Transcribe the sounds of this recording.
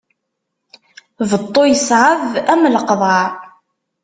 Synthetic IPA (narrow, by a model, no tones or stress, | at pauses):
vət̪ˤːojəsʕəvæmːləqðˤɑʕ